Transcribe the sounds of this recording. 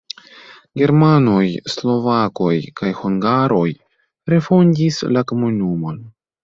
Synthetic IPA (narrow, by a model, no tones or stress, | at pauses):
ɡe̞ɾmano̞jslo̞vako̞jkʰajhuŋɡaɾʔo̞j | ɾe̞fondislakomonumo̞n